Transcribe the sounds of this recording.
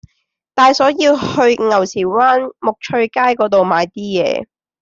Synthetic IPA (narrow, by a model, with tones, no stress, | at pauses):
t̪aː˨jsɔː˨˥jiː˧whɵ˧ɥŋɐ˨˩wsiː˨˩waː˥nmʊ˨k̚t͡ʃʰɵ˧ɥkaː˥jkɔː˨˥t̪o˨wmaː˨˧jt̪iː˥jɛ̰ː˨˧